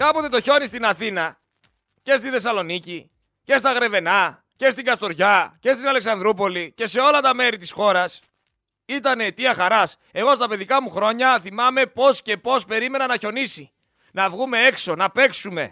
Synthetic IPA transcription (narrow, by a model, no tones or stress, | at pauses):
kɐpo̞t̪et̪o̞ço̞nist̪inɐθinɐ | ce̞st̪inθe̞sɐlo̞nici | ce̞st̪ɐɣɾe̞ve̞nɐ | ce̞st̪iŋɡɐst̪o̞ɾʝɐce̞st̪inɐle̞ksɐnd̪ɾup̬o̞lice̞se̞o̞lɐt̪ɐme̞ɾit̪isxo̞ɾɐs | it̪ɐnet̪iɐxɐɾɐs | e̞ɣo̞s̬t̪ɐpeðikɐmuxɾo̞ɲɐθimɐme̞po̞sce̞po̞spe̞ɾime̞nɐnɐço̞nisi | nɐvɣume̞e̞kso̞nɐpe̞ksume̞̰